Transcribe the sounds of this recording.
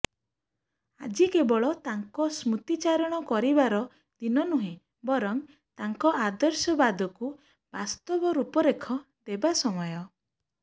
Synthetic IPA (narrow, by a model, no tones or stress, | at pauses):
a̰d͡ʒikebɔɭɔt̪aŋkɔsmut̪it͡ʃaɾɔɽ̃ɔkɔɾibaɾɔ | d̪̥inɔnuɦẽ | bɔɾɔŋ | t̪aŋkɔʔad̪ɔɾsɔbad̪ʱɔku | bast̪ɔbɔɾupɔɾekʰɔ | d̪ebasɔmɔjɔ